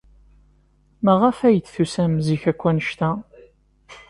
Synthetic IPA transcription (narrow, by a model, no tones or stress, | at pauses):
mæʁəfæjət͡sːθusæmziçækʷːænəʃt̪æ